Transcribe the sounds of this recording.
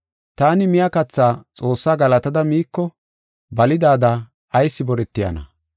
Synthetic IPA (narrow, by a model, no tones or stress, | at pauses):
t̪aːnɪmɪjɐkɐt͡sːaːt͡sʼo̞ːsːaːɡɐlɐt̪ɐd̪ɐmiːkːɔ | bɐlɪd̪aːd̪a | ɐjsːɪbɔɾɛt̪ːɪjɐ̰nɐ̰